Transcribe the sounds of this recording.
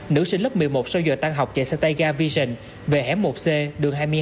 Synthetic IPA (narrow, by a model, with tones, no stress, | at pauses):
nɨ̰˧˥si˧n̟lə˦˥p̚mɨ˨˩əjmo˨˩t̚sɔ˧wzə̰ː˨˩t̪a˧ŋɦa˨˩wk͡p̚t͡ɕḛ˧˩sɛ˧t̪a˧jɣaː˧vi˧sə˧˩n | ve˨˩ɦɛ˨˦mːo˨˩t̚se˧ɗɨ˨˩əŋɦaː˧jmɨ˧ə